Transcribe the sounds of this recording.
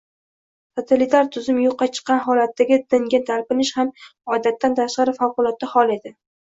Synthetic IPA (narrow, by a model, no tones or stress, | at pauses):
t̪ʰot̪ʰalɪt̪ʰaɾt̪ʰʊzɪmjoqːɑt͡ʃʰɨ̥qːɑnɦɒlat̪ʰːaɡʲɪd̪̥ɪŋɡʲat̪ʰaɾpɪnɪʃhamɒd̪at̪ʰːant̪ʰaʃqɑɾɪfawqʊlˠɒt̪̚ːahɒlˠe̞d̪ɪ